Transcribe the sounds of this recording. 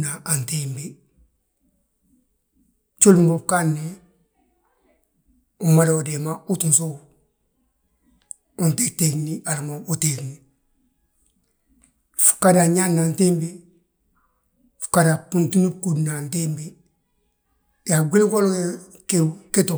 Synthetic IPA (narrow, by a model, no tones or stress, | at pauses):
naantembe | t͡ʃulumobkanːe | umaloodemautunso | untektekniaɾmabutekni | fu̥kadaɲanːantembe | fu̥kadapuntunubkudnantembi | jaɡʷulikoloe | keketo